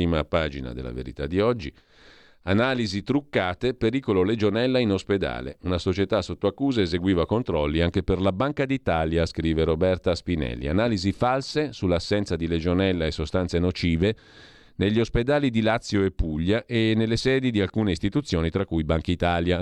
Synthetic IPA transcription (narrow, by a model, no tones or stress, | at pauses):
iːmapaːd͡ʒina̰d̪ḛlːa̰vḛɾḭt̪ad̪ːiɔd͡ʒːi | anaːlizit̪ɾukːaːt̪epeɾiːkololed͡ʒonɛlːainosped̪a̰ːlḛunasot͡ʃet̪asot̪ːoakːuːzaezeɡwiːvakont̪ɾɔlːiaŋk̟eperlabaŋkad̪it̪aːljaskɾiːveɾobɛrt̪aspinɛ̰lːḭa̰naːlizifalsesulːasːɛnt̪sad̪iled͡ʒonɛlːaesːost̪ant̪senot͡ʃiːve | neʎːiosped̪aːlid̪ilat̪sːjoepːuʎːaʔenelːesɛːd̪id̪ialkuːneist̪it̪ut̪sːjoːnit̪ɾakːujbaŋkait̪aːlja